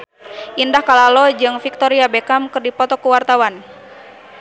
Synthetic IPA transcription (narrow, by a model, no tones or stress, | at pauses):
ʔindahkalalod͡ʒɨŋfik̚t̪ɔɾiabekamkɨrdipɔt̪ɔkuwart̪awan